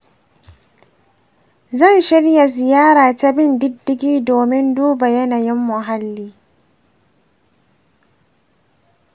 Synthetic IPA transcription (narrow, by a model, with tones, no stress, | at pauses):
zɐ˦˨nʃɪ˦ɽja˨zɪ˨jaː˦ɾaː˨ta˦bɪ˦ndɪ˦dːɪ˦ɡʲiː˦doː˨mɪ˦nduː˦ba˨jɐ˦na˨jɪ˦mːʊ˨ɦa˦lːiː˦